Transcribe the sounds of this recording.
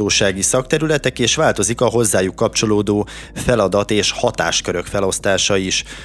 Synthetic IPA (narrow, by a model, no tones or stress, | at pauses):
oːʃaːɡisɒk̚t̪ɛɾylɛt̪ɛkeːʃʋaːlt̪o̞zikɒɦo̞zːaːjukːɒpt͡ʃo̞loːd̪oː | fɛlɒd̪ɒt̪eːʃhɒt̪a̰ːʃkøɾø̞kfɛlo̞st̪aːʃɒiʃ